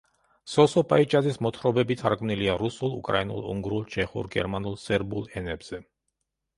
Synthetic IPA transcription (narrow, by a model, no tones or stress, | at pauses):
sɔsɔpʼait͡ʃʼazismɔt̪ʰχɾɔbɛbit̪ʰaɾɡʼmniliaɾusulˠṵkʼɾainṵlˠṵŋɡɾulˠt͡ʃʰɛχṵɾɡɛ̰ɾmanulˠsɛɾbulˠɛnɛbz̥ɛ